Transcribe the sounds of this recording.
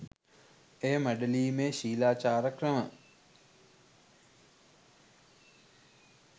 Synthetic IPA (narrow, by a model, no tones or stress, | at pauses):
ejəməɖəliːmeʃiːlaːt͡ʃaːɾəkrəmə